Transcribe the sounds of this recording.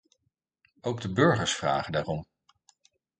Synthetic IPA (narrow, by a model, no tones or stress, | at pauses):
owɡdəbɵɹχəɹsfra̰ːχədaːrɔm